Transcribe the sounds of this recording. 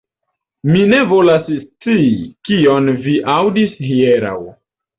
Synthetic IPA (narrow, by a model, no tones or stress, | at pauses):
mine̞vo̞lasst͡sikionviʔawdishieɾa̰w